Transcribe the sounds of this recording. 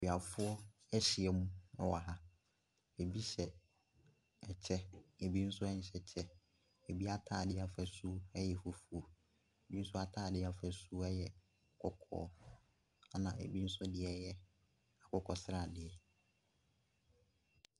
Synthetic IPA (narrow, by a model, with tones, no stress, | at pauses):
i˨a˨fʊ˦ɔ˦ | ɛ˦ɕɪ˨ɛ˨mũ˦ʊ̃˨wa˨ɦa˦ | e˨bi˦ɕɛ˨ | ɛ˨t͡ɕʰɛ˦e˨bi˦n̩˦sʊ˦ɛ˦ɲ̩˦ɕɛ˨t͡ɕʰɛ˦ | e˨bi˦a˦tʰaː˦˨dɪ˦a˨fæ˨su˦ɛ˦jɛ˨fo˨fu˨o˨ | e˨bi˦n̩˦sʊ˦a˦tʰaː˦˨dɪ˦a˨fæ˨su˦ɛ˦jɛ˨ | kʰɔ˦kʰɔ̰ː˦˨˦ | a˦nã̰˨ḛ˨bi˦n̩˦sʊ˦dɪ˨ɛ˦jɛ˦ | a˨kʰɔ˨kʰɔ˨sɪ˦ɾa˦˨dɪ˨ɛ˨